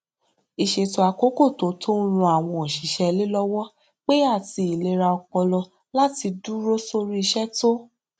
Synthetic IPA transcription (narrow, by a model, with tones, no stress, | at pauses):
i˨ʃe˨to˨a˨ko˦ko˦˨to˨˦tʰo˦ɾ̃ũ˧a˨w̃ɔ̃˧˨ʃi˨˦ʃɛ˧le˦lɔ˦wɔ˦ | k͡pe˦a˦˨ti˧i˨le˧ɾa˧ɔ˧k͡pɔ˧lɔ˧ | la˦ti˧du˦ɾo˦so˧ɾi˦i˧ʃɛ˦to˦